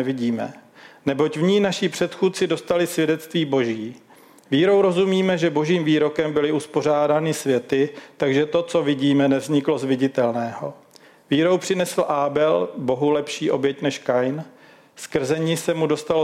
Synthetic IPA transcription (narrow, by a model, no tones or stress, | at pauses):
ɛvɪɟiːmɛ̰nɛbo̞cvɲiːnaʃɪpr̥ɛt̪xuːt̪̚t͡sɪdo̞st̪alɪsvjɛdɛt̪t͡st̪viːbo̞ʒiː | viːɾo̞wɾo̞zumiːmɛʒɛbo̞ʒiːmviːɾo̞kɛmbɪlɪuspo̞r̝aːdaːnɪsvjɛt̪ɪt̪aɡʒɛt̪o̞t͡so̞vɪɟiːmɛnɛvzɲɪklo̞zvɪɟɪt̪ɛlnɛːɦo̞ | viːɾo̞wpr̝̥ɪnɛsl̩ʔaːbɛlbo̞ɦulɛpʃiːʔo̞bjɛcnɛʃkajn | skr̩zɛɲɪsɛmudo̞st̪al